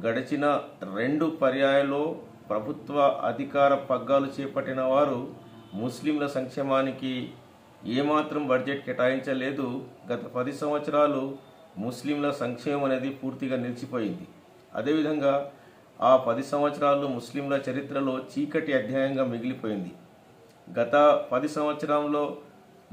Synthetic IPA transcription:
ɡɐɽɐt͡ʃinɐɾe̞ɳɖupɐɾjaːjɐlo̞ː | pɾɐbʱut̪ʋɐʔɐ̰d̪ʱikaːɾɐpɐɡːaːlut͡ʃɛːpɐʈːinɐʋaːɾu | muslimlɐsɐŋkʂɛːmaːniki | eːmaːt̪ɾɐmbɐɾd͡ʒe̞ʈ̚kɛʈaːjiɲt͡ʃɐle̞ːd̪uɡɐt̪ɐpɐd̪isɐmʋɐt̪sɐɾaːlu | muslimlɐsɐŋkʂɛːmɐmɐne̞ːd̪ipuːɾt̪iɡaːniɾt͡ʃipo̞ːjind̪i | ɐ̰d̪e̞ːʋid̪ʱɐŋɡaː | aːpɐd̪isɐmʋɐt̪sɐɾaːlumuslimlɐt͡ʃɐɾit̪ɾɐlo̞ːt͡ʃiːkɐʈiɐd̪ʱjaːjɐŋɡaːmiɡilipoːjind̪i | ɡɐt̪ɐpɐd̪isɐmʋɐt̪sɐɾaːmlo̞ː

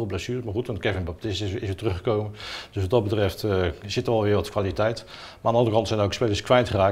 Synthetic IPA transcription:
lˠblasyːrmaχutʋɑntkɛvɪnbɑp̚tɪstɪɪsʋɪːtrɵχəkowmənd̥øsʋɑtdɑtd̚bətrɛftz̥ɪtəʋɛlˠʋɪːɹʋɔtkʋaːlitɛjt | maandəɑndərəkɑntsɛjnəowkspejləskʋɛjntχəraːk

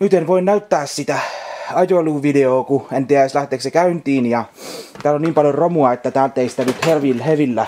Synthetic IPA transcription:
nyt̪enʋoinnæyt̪ːæːssit̪æɑjoluːʋideoːkuent̪iislæht̪eːksekæynt̪iːnjɑt̪æːloniːmpɑljoromuɑet̪ːæt̪æːlt̪ːeisi̥t̪ænyt̪heʋilheʋilːæ

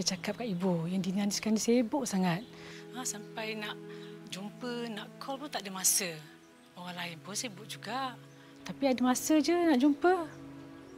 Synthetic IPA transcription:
at͡ʃakap̚kaʔibujaŋdinanskansajəbʊʔsaŋat̪̚asampajnaʔd͡ʒumpənaʔkʰɔlput̪aʔdəmasə | oɣaŋlaɪnpʊnsajəbʊʔ̚d͡ʒuɡaʔ | t̪apiadəmasəd͡ʒənaʔd͡ʒumpə

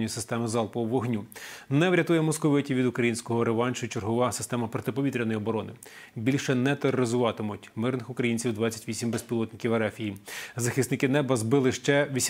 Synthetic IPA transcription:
nʲijisɪ̥st̪ɛmɪzɑlˠpɔʋɔɦnʲunɛʋɾʲɐt̪ujɛmɔskɔʋɪtʲiʋʲid̪ʊkɾɐjinʲsʲkɔɦɔɾeʋɑnʲt͡ʃʊit͡ʃerɦɔʋɑsɪ̥st̪ɛmɐpɾɔt̪ɪpɔʋʲit̪ɾʲɐnɔjiɔbɔɾɔnɪ | bʲilʲʃɛnɛt̪erɔɾɪzʊʋɑt̪ɪmʊtʲmɪrnɪxʊkɾɐjinʲt͡sʲiwd̪ʋɑt͡sʲːɐ̥tʲʋʲisʲimbespʲilˠɔt̪nɪkʲiwɐɾɛfʲijizɐxɪsnɪkɪnɛbɐzbɪlˠɪʃt͡ʃɛʋʲisʲ

